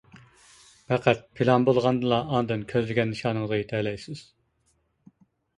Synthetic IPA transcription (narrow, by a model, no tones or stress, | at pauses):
pɛqʰæt̪̚pʰilˠɑnbolˠʁɑnd̪ɨlˠɑːnd̪ɨnkʲʰøzlɪɡʲɛnːɨʃɑːnəŋzʁɑjet̪ʰɛlɛjsɪz̥